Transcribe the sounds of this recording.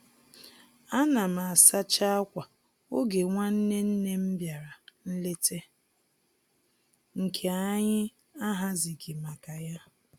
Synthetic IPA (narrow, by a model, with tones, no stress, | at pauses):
a˦na˨ma˨a˨sa˦t͡ʃa˦a˦kʷa˨ | o˦ɡe˨ŋʷa˦n̩˦ne˦n̩˦ne˦m̩˦bja˨ɾa˨n̩˦le˦te˦ | ŋ̩˨kʰe˨a˦ɲɪ˦ | a˦ɦa˦zi˨ɡɪ˨ma˨ka˨ja˦